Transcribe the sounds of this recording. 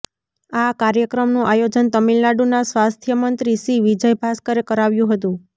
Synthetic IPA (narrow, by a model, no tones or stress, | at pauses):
akaɾjəkɾəmnũʔajod͡ʒənt̪əmilnaɖunasʋast̪ʰjəmənt̪ɾisiʋid͡ʒəjbʱaskəɾekəɾaʋjũɦət̪ũ